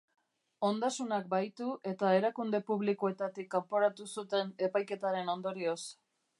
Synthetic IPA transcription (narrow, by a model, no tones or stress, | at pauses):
o̞nd̪asunak̚bajt̪uʔe̞t̪ae̞ɾakund̪e̞puβ̞likoe̞t̪at̪ikːampo̞ɾat̪usut̪e̞ne̞pajke̞t̪aɾe̞no̞nd̪o̞ɾio̞s